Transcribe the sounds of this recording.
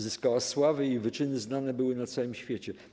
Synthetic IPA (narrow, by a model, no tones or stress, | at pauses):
zɘskawaswavɘivɘt͡ʂɘnɘznanɛbɘwɘnat̪sawɘmɕfʲjet͡ɕɛ